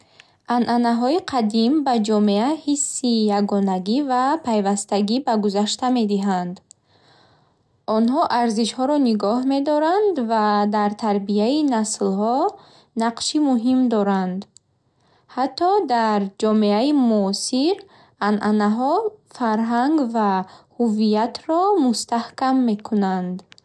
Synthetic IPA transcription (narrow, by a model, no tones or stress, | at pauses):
ʔanʔanaɦɔiqʰad̪imbad͡ʒɔmeahisːijaɡɔnaɡivapʰajvast̪aɡibaɡuzaʃt̪ame̞d̪iɦand̪ | ɔnɦɔʔaɾziʃhɔɾɔniɡɔhme̞d̪ɔɾand̪vad̪aɾt̪ʰaɾbiainaslhɔ | naqʃimuɦimd̪ɔɾand̪ | hat̪ʰːɔd̪aɾd͡ʒɔme̞aimuːsiɾ | anʔanaɦɔfaɾɦaŋɡvahuvijat̪ʰɾɔmust̪ahkamːe̞kʰunand̪